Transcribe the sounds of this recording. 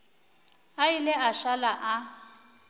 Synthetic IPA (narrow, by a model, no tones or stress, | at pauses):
ailɪaʃalaʔa